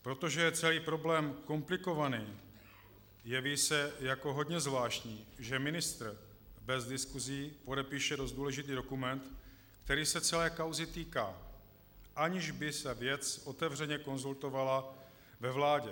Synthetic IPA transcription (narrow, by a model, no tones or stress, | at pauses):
pɾo̞t̪o̞ʒɛjɛt͡sɛliːpɾo̞blɛːmko̞mplɪko̞vaniː | jɛviːsɛjako̞ɦo̞dɲɛzvlaːʃcɲiːʒɛmɪnɪst̪ɾ̩ | bɛzdɪskuziːpo̞dɛpiːʃɛdo̞st̪duːlɛʒɪt̪iːdo̞kumɛnt̪ | kt̪ɛɾiːsɛt͡sɛlɛːkawzɪt̪iːka̰ː | ʔaɲɪʒbɪsɛvjɛt͡sʔo̞t̪ɛvr̝ɛɲɛko̞nzult̪o̞vala | vɛvlaːɟɛ